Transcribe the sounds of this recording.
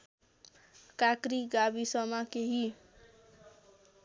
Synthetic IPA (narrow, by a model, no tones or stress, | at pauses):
kakɾiɡabisʌmakeɦi